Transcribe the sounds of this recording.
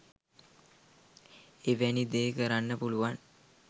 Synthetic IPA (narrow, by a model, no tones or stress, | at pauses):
eʋænid̪eːkəɾanːəpuluʋan